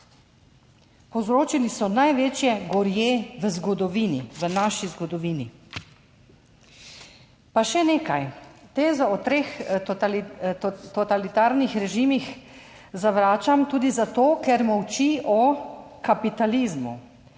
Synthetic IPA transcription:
pɔzɾoːt͡ʃilisɔnajʋeːt͡ʃjɛɡɔɾjeːʋəzɡɔd̪ɔʋiːnḭʋənaʃizɡɔd̪ɔʋiːni | paʃɛneːkajt̪eːzɔɔt̪ɾeːx | t̪ɔt̪alit̪aːɾnixɾɛʒimix | zaʋɾaːt͡ʃamt̪uːd̪izat̪oːkɛɾmɔwt͡ʃiʔɔ | kapit̪alizmṵ

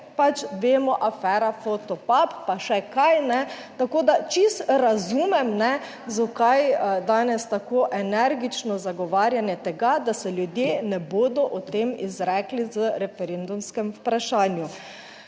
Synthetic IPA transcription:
pat͡ʃʋeːmɔʔafɛːɾafot̪ɔpapːaʃɛkajnɛt̪akoːd̪at͡ʃist̪ɾazuːmɛmnɛ | zɔkajd̪aːnɛst̪akoːʔɛnɛɾɡit͡ʃnɔzaɡɔʋaːɾjanjɛt̪ɛɡad̪asɛljud̪jeːnɛboːd̪ɔʔɔt̪eːmizɾɛːklizəɾɛfɛɾend̪umskɛmpɾaʃaːnju

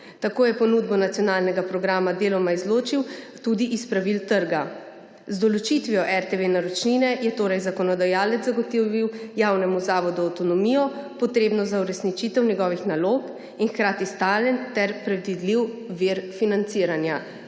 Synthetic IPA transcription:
t̪akoːjɛpɔnuːd̪̚bɔnat̪ijɔnaːlnɛɡapɾɔɡɾaːmad̪eːlɔmaizloːt͡ʃiw | t̪ud̪iʔispɾaʋilt̪əɾɡa | zd̪ɔlɔt͡ʃit̪ʋijɔʔɛɾt̪eʋenaɾɔt͡ʃninɛjɛt̪oːɾɛjzakɔnɔd̪ajaːlɛt̪zaɡɔt̪iʋiwjaːwnɛmuzaːʋɔd̪uawt̪ɔnɔmiːjɔpɔt̪ɾeːbnɔzauɾɛsnit͡ʃit̪ɛwnʲjɛɡɔːʋixnaloːp | inxkɾaːt̪ist̪aːljɛnt̪ɛɾpɾɛd̪ʋid̪liwʋiɾfinant̪siːɾanja

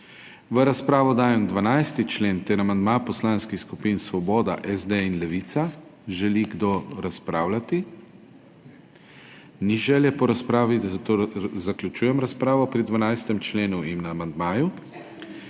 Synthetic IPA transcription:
ʋəɾaspɾaːʋɔd̪aːjɛmd̪ʋanajst̪it͡ʃleːnt̪ɛɾamand̪mapɔslaːnskixskupinsʋɔbɔːd̪a̰ʔɛzd̪einlɛʋit̪saʒɛliɡd̪oɾaspɾaːwlat̪i | niʒɛːljɛpɔɾaspɾaːʋid̪asɐt̪oːzaklʲut͡ʃuːjɛmɾaspɾaːʋɔpɾid̪ʋanajst̪ɛmt͡ʃleːnuimnaːmand̪maːju

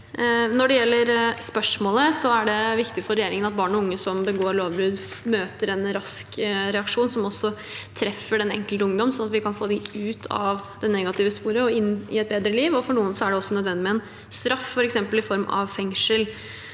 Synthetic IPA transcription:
nɔɖɛjɛlːəɾspœʂmoːləsɔæɖɛʋɪkt̪ɪfɔɾɛjeːɾɪŋənɑt̪̚bɑːɳɔʊŋːəsɔmbəɡoːɾloːʋbɾʉd̪møːt̪əɾɛnɾɑskɾɛɑkʂuːnsɔmɔsːɔt̪ʰɾɛfːəɖɛnɛ̰ŋkəlt̪əʊŋd̪ɔmsɔnɑt̪ʋɪkʰɑnfoːd̪ɪʉːt̪ʰɑ̰ʋd̪ɛnɛɡɑt̪ʰɪʋəspuːɾəɔɪnːɪ̰ɛt̪̚beːd̪ɾəliːʋɔfɔɳuːənsɔæɖɛɔsːɔnœd̪ʋɛnd̪ɪmɛɛn | st̪ɾɑffɔɾɛksɛmpəlɪfɔɾmɑ̰ʋfɛŋʂəl

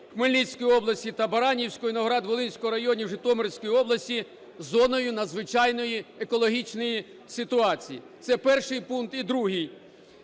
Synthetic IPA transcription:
xmelʲnʲisʲkɔjiɔblˠɐsʲtʲit̪ɐbɐɾɑnʲiwsʲkɔjinɔɦɔɾɑd̪ʋɔlˠɪnʲsʲkɔɦɔɾɐjɔnʲiwʒɪt̪ɔmɔɾsʲkɔjiɔblˠɐsʲtʲi | zɔnɔjʊnɐd̪zʋɪt͡ʃɑjnɔjiekɔlˠɔɦʲit͡ʃnɔji | sʲɪt̪ʊɑt͡sʲijḭt̪sɛpɛrʃɪjpunkt̪id̪ɾuɦɪj

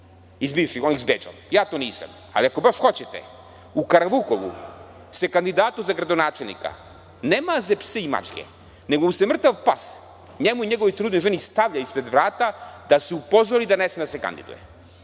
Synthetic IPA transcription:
izbiːʋʃixonizbeːd͡ʒo̰mjaːt̪oːniːsa̰m | a̰liako̞baʃxo̞t͡ɕet̪ḛ | ukaɾaʋukoʋṵ | sekand̪id̪aːt̪uzaɡɾad̪o̞naːt͡ʃelnḭka̰ | neːmazepseima̰t͡ʃkʲḛ | neɡomusemr̩t̪aʋpas | ɲemuiɲeɡo̞ʋojt̪ɾuːd̪nojʒenist̪aʋʎaispɾed̪ʋɾaːt̪ad̪aseupo̞zʋoɾid̪anesmed̪aseka̰nd̪ḭd̪ṵjḛ

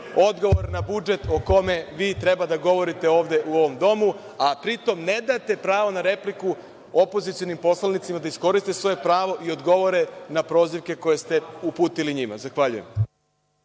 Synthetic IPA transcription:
o̞d̪ɡo̞ʋo̞ɾnabud͡ʒe̞t̪o̞ko̞me̞ʋiːt̪ɾe̞bad̪aɡo̞ʋo̞ɾit̪eo̞ːʋd̪e̞ʔuo̞ʋo̞md̪o̞mu | apɾit̪o̞mne̞d̪at̪e̞pɾaːʋo̞naɾe̞pliku | o̞po̞zit̪sio̞nimpo̞slˠanit̪simad̪aisko̞ɾist̪esʋo̞je̞pɾaːʋo̞ʔio̞d̪ɡo̞ʋo̞ɾe̞napɾo̞ːziʋke̞ko̞je̞st̪e̞upuːt̪iliɲima̰zaxʋaʎujem

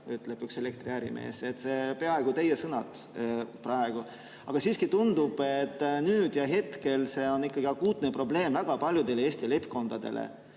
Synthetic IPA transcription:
yt̪ːˑleb̥ykse̞lek̚t̪riæɾḭmʔḛːse̞t̪ːˑse̞pe̞ɑe̞ɡ̥ut̪e̞jesɤnɑt̪ | prɑeɡ̥u | ɑ̰ɡ̥ɑsiːskit̪und̪ub̥et̪ːˑnyːd̪̥jɑɦe̞t̪ke̞lse̞ːo̞nːikːɑɡiɑkuːt̪̚nepro̞ble̞ːmvæɡ̥ɑpɑlʲjud̪e̞leeːsʲt̪ile̞pːko̞nd̪̥ɑd̪̥e̞̰lḛ

